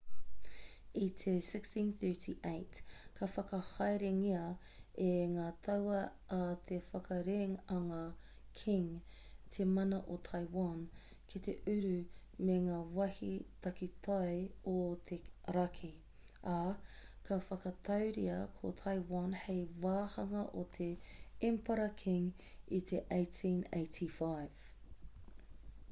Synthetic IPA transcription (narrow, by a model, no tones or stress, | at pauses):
it̪ʰesɪkstĩnθɜ˞tʰiʔejtkʰɐfɐkɐhɐjɾeŋiɐ | eŋaːt̪ʰɐwɐʔːt̪ʰefɐkʰɐɾeŋɐŋaː | kʰɪ̃ŋ | t̪ʰemɐnɐʔotʰajwan | kʰit̪ḛʔʉɾʉ | meŋaːwɐhḭt̪ɐkit̪ʰajot̪ʰeɾɐkʰi | a | kʰɐfɐkɐt̪ʰɐwɾḭɐ̰kʰo̰t̪ʰajwanhejwaːhɐŋɐʔot̪ʰeɛmpɐɾɐkʰiŋ | it̪ʰeʔejtʰĩneɪtʰifajv̥